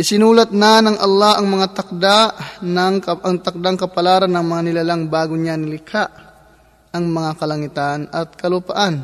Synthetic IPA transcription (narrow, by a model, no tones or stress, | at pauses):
ʔɪsɪnuːlɐt̪̚nanɐŋʔɐlːahɐŋmɐŋat̪ɐk̚d̪anɐŋʔɐŋt̪ɐk̚d̪aŋkɐpɐlaːɾanːɐŋmɐŋanɪlalaŋbaːɡoɲanɪlɪkʰaʔ | ʔɐŋmɐŋakɐlɐŋɪt̪anɐt̪̚kɐlʊpaʔan